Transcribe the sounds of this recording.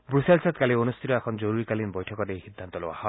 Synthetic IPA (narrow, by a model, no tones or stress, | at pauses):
bɾuselsat̪̚kalionust̪ʰitɔɛkʰɔnzoɾuɹikalinbɔjtʰɔkɔtejhid̪ʱːant̪ɔlowa̰hɔ